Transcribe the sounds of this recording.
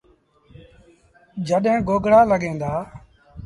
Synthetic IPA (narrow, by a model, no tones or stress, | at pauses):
d͡ʒəɗɦẽːɡoːɡɽaːləɡẽːnd̪aː